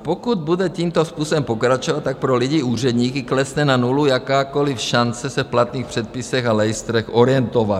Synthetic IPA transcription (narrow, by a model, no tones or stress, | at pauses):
pokud̪̚budɛciːmt̪ospuːsobɛmpo̞kɾat͡ʃovat̪̚t̪ːak̚pɾolɪɟiuːr̝ɛd̪ɲiːkɪklɛsnɛnanulujakaːkolɪfʃant͡sɛsɛfplat̪niːxpr̝̥ɛt̪̚pɪsɛxalɛjɪst̪ɾɛxoɾɪjɛnt̪ovat̪